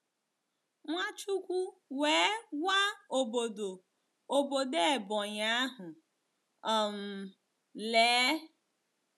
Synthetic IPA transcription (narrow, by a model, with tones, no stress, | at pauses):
ŋʷa˦t͡ʃu˦kʷu˦weː˨˦wa˦o˨bo˨do˨ | o˨bo˨de˦˨bɔ˨ɲa˦a˦ɦʊ˨ | ɔ˨m̩˨ | leː˨˦